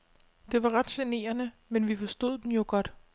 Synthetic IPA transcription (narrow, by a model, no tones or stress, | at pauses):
d̥e̝ʋɑ̈ʁɑ̈d̥ɕene̝̰ːɐnə | menʋifɒ̽sd̥o̝ð̞̰ˠd̥enjo̝ɡ̥ɒ̽d̥